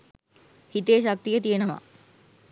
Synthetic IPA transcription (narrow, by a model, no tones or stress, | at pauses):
hit̪eːʃak̚t̪ijət̪ijenəʋa̰